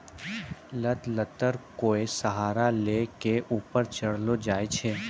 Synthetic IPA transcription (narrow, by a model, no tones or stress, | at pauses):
lət̪lət̪əɾkoːesəɦaːɾalekeʔuːpəɾt͡ʃɐɽ̤lod͡ʒaːet͡ʃʰeː